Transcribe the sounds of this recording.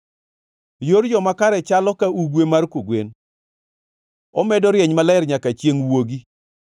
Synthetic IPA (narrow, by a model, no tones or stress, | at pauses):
joɾd͡ʒɔmakaɾɛt͡ʃalɔkauɡwemarkoɡwen | ɔmɛdɔɾjɛɲmalɛɾɲakat͡ʃjeŋwoɡi